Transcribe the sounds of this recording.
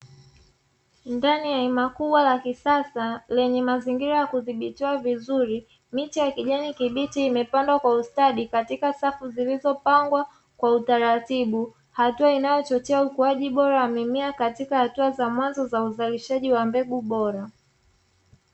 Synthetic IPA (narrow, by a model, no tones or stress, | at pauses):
ndaniaimakuɓwalakisasalɛɲɛmaziŋɡiɾajakuðiɓitiwavizuɾi | mitijakiʄɛɲikiɓitiːmɛpandwakwaustaɗikatikasafuzilizɔpaŋɡwa | kwautaɾatiɓu | hatuainajɔt͡ʃɔt͡ʃɛaukuaʄiɓɔɾawamɛmiakatikahatuazamwanzɔzauzaliʃaʄiwambɛɡuɓɔɾa